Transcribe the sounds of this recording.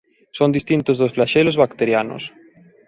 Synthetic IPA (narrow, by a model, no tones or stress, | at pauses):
sõnd̪ist̪int̪ozðosflaʃelozβakt̪eɾjano̰s